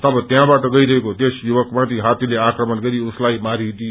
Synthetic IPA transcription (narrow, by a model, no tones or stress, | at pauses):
t̪ʌbʌ̃t̪jãbaʈʌɡʌiɾʌɦekot̪esjuʋʌkmãt̪iɦat̪ileakɾəmʌnɡʌɾiuslaimaɾit̪i